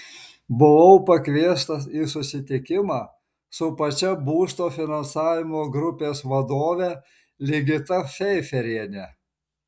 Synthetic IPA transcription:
bʊʋɐʊpɐkʲʋʲiɛst̪ɐsiːsʊsʲɪt̪ʲɪkʲɪmɑː | sʊpɐt͡ʃʲɛbuːst̪oːfʲɪnɐnsɑːʋʲɪmoːɡɾʊpʲeːsʋɐd̪oːʋʲɛ | lʲɪɡʲɪt̪ɐfʲɛɪfʲɛɾʲiɛnʲɛ

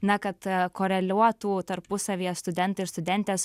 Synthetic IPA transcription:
nɐkɐt̪koːɾʲɛlʲuɔt̪uːt̪ɐɾpʊsɐʋʲiːɛst̪ʊd̪ʲɛnt̪ɐɪɾst̪ʊd̪ʲɛnʲt̪ʲɛːs

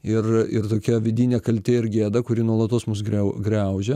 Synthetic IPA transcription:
ɪrɪ̰rt̪oːkʲɛʋʲɪd̪ʲiːnʲeːkɐlʲt̪ʲeːɪɾɡʲeːd̪ɐkʊɾʲiːnuɔlˠɐt̪oːsmʊsɡɾʲɛʊɡɾʲɛʊʒʲɛ

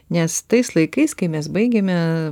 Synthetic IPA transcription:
nʲɛst̪ɐɪslˠɐɪkɐɪskɐɪmʲɛsbɐɪɡʲemʲɛ

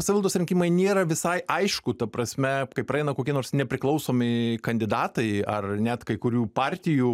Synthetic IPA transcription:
sɐʋʲɪlˠt̪oːsɾʲɪŋʲkʲimɐɪnʲeːɾɐʋʲɪsɐɪʔɐɪʃkʊt̪ɐpɾɐsʲmʲɛkɐɪprɐɛɪnɐkoːkʲiɛnoːɾsnʲɛpʲɾʲɪklˠɐʊsoːmʲɪkɐnʲd̪ʲɪd̪ɑːt̪ɐɪɐrnʲɛt̪kɐɪkʊɾʲuːpɑːɾʲt̪ʲɪjuː

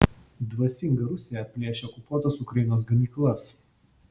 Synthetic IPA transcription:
d̪ʋɐsʲɪŋɡɐɾʊsʲɪjɛpʲlʲeːʃʲɛɔkʊpuɔt̪ɐsʊkɾɐjɪnoːs̬ɡɐmʲiːklˠɐs

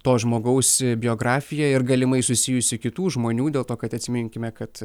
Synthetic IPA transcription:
t̪oːʒmoːɡɐʊsbʲɪjoːɡɾɑːfʲɪjɛɪrɡɐlʲɪmɐɪsʊsʲɪjʊsʲɪkʲɪt̪uːʒmoːnʲuːd̪ʲeːlˠt̪oːkɐt̪ɐt̪ʲsʲɪmʲɪŋʲkʲɪmʲɛkɐt̪

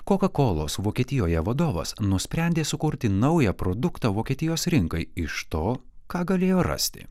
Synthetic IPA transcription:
koːkɐkoːlˠo̰ːsʋoːkʲiɛːt̪ʲɪjoːjɛʋɐd̪oːʋɐ̰snʊsʲpʲɾʲɛnʲd̪ʲeːsʊkʊɾʲt̪ʲɪnɐʊjɛpɾoːd̪ʊkt̪ɑːʋoːkʲiɛt̪ʲɪjoːsɾʲɪŋkɐɪɪʃt̪oː | kɑːɡɐlʲeːjoːɾɐ̰sʲt̪ʲɪ̰

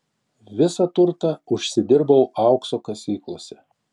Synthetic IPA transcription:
ʋʲɪsɐt̪ʊɾt̪ɐʊʃʲsʲɪd̪ʲɪɾbɐʊɑˑʊksoːkɐsʲiːklˠoːsʲɛ

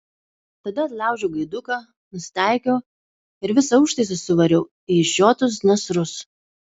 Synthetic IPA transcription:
t̪ɐd̪ɐɐt̪lˠɑˑʊʒʲoʊɡɐɪd̪ʊkɑː | nʊsʲɪ̥t̪æˑɪkʲoː | ɪɾʋʲɪsɐʊʃt̪ɐɪsʲɪsʊʋɐɾʲɛʊ | iʒʲoːt̪ʊsnʲɐsɾʊs

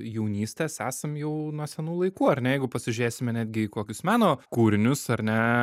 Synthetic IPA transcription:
jɛʊnʲiːsʲt̪ʲeːsæːsɐmjɛʊnuɔsʲɛnuːlˠɐɪkuːɐɾʲnɛjɛɪɡʊpɐsʲɪʒʲyɾʲeːsʲɪmʲɛnʲæːd̪ʲɡʲɪikoːkʲʊsmɑːnoːkuːɾʲɪnʲʊsɐɾnʲɛ

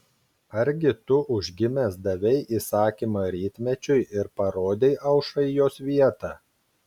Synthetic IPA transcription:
ɐɾʲɡʲɪt̪ʊʔʊʒʲɡʲɪmʲesd̪ɐʋʲɛɪʔiːsɑːkʲimɐɾʲiːt̪ʲmʲɛt͡ʃʲʊɪʔɪɾpɐɾoːd̪ʲeɪʔɐʊʃɐɪjoːsʋʲiɛt̪ɑː

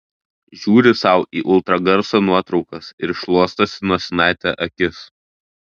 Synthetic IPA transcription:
ʒʲuːɾʲɪsɐˑʊʔiːʔʊlˠt̪ɾɐɡɐɾsoːnuɔt̪ɾɒʊkɐsɪɾʃlˠuɔst̪ɐsʲɪnuɔsʲɛnɑˑɪt̪ʲæʔɐkʲɪs

